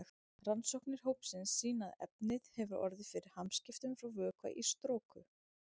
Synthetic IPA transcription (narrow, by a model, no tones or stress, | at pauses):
ransowhknɪɾ̥ɦowpsɪnsːiːnaðɛ̰pnɪð̥hɛvʏɾʔɔ̰ɾðɪfɪɾɪɾ̥hamscɪft̪ʏmfɾawvœːkva̰ʔist̪ɾoːwkʏ